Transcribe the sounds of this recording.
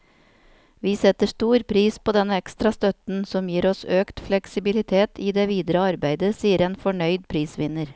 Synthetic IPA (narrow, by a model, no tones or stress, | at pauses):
ʋiːsɛt̪əʂt̪uːɾpʰɾiːspʰoːd̪ɛnəɛkst̪ɾɑst̪œt̪n̩sɔmjiːɾɔsøːkt̪flɛksɪbɪlɪt̪ʰeːt̪ʰiːd̪eːʋiːd̪ɾəɑɾbæɪd̪əsiːəɾeːnfɔɳœʏd̪pʰɾiːsʋɪnəɾ